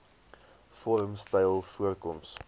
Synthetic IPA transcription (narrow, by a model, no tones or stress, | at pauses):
fɔɾəmstəjlˠfuərkɔms